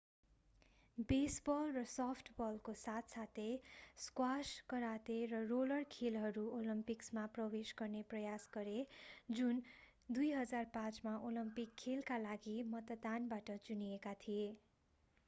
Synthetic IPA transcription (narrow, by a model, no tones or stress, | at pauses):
besbʌlrʌsʌpʰʈʰbʌlkosat̪ʰsat̪ʰeskwaskʌɾat̪erʌrolʌrkʰelɦʌɾuolʌmpiksmaprʌwesɡʌrneprʌjasɡʌɾed͡zun | d̪ujɦʌd͡zarpãt͡smaʔolʌmpikʰːelkalaɡimʌt̪ʌd̪anbaʈʌt͡suniekat̪ʰije